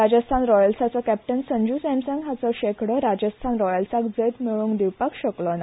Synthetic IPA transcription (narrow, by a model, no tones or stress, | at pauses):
ɾad͡ʑəst̪ʰanɾɔjəlsat͡sɔkɛp̚ʈənsəɲd͡ʑusɛmsə̃ŋɡɦat͡sɔɕekɽəɾad͡ʑəst̪ʰanɾɔjəlsakd͡zət̪miɭũːŋɡd̪iʋpakɕəklɔn